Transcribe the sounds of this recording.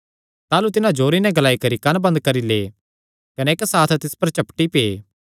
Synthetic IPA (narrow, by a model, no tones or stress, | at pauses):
t̪aːlut̪ɪnãd͡ʒoːɾinɛ̃ɡlaːikɐɾikɐnbɐ̃nd̪̚kɐɾilḛː | kɐnɛɪksaːt̪ʰt̪ɪspɐɾt͡ʃɐpʈipeː